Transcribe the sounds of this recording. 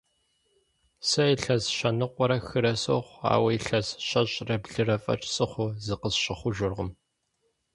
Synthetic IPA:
sɐɪɬɐzɕɐnɨqʷʼɔɾɐxɨɾɐso̰χʷa̰ːwɐjɬɐzɕɐɕʼrɐbɮɨrɐfʼɐ̰ʈ͡ʂʼsʼɨχʷʊzɨqəzɕɪχʷʊʒʷʊrʁəm

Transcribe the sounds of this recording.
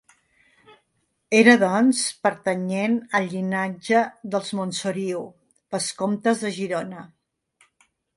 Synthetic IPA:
eɾəðɔnspəɾt̪əɲenəlʎːinad͡ʒəðəlˠzmonsuɾiw | bəskomt̪əzðəʒiɾonə

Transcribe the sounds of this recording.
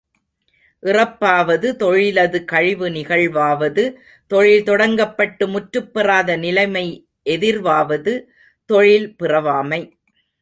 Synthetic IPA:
ʔɪrɐpːaːʋɐðɯt̪ɔɻɪlɐðɯkɐɻɪʋɯnɪɣɐɭʋaːʋɐðɯ | t̪ɔɻɪlt̪ɔɽɐŋɡɐpːɐʈːɯmʊʈɾɯpːɪraːðɐnɪlɐɪmɐɪ | ʔɛðɪɾʋaːʋɐðɯ | t̪ɔɻɪlpɪrɐʋaːmɐɪ

